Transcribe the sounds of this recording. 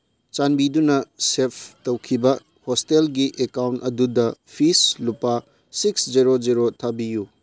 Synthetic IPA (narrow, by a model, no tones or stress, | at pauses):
t͡ʃanbidunɐsepʰtɐwkʰibɐ | hostelɡiʔekawntɐdudɐpʰislupa | siksd͡ʒiɾod͡ʒiɾotʰabiju